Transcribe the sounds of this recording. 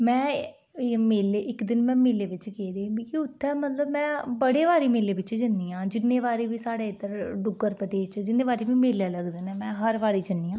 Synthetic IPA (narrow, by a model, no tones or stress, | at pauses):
mɛ̃ː | meːleːʔɪkd̪ɪnmɛ̃ːmeːleːʋɪt͡ʃkɛːd̪ẽːbiːkɪʊt̪ʰːɛ̃ːmət̪ləbmɛ̃ːbəɽeːʋaːɾiːmeːleːʋɪt͡ʃd͡ʒənːiːãːd͡ʒɪnːẽːʋaːɾeːʋiːsaːɽeːɪd̪əɾɖʊɡəɾpəd̪eːst͡ʃd͡ʒɪnːẽːʋaːɾeːʋiːmeːljaːləɡd̪enɛːmɛ̃ːɦəɾʋaːɾiːd͡ʒənːiːãː